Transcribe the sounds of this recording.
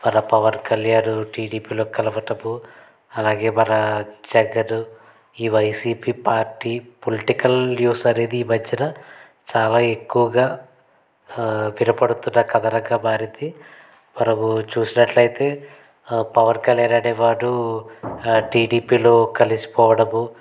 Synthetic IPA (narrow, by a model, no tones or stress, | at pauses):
mɐɾɐpɐʋɐnkɐljaːnuʈiːɖiːpiːlo̞ːkɐlɐʋɐʈɐbu | ɐlaːɡe̞ːbɐɾɐt͡ʃɛɡɐɾu | iːʋɐjsiːpiːpaːɾʈːiːpoliʈikɐljuːsɐɾeːd̪iiːbɐd͡ʒːɐnɐ | t͡ʃaːlaːe̞kːuʋɐɡaː | ʋiɾɐpɐɽut̪unːɐkɐd̪ɐɾɐɡaːbʱaːɾit̪i | mɐɾɐmut͡ʃuːsinɐʈlɐjit̪e̞ː | pɐʋɐnkɐljaːnaːɽeːʋaːɽu | ʈiːɖiːpiːlo̞ːkɐlisi̥pɔːʋɐɽɐmu